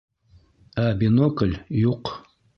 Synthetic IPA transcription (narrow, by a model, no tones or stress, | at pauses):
abinokəlʲjuq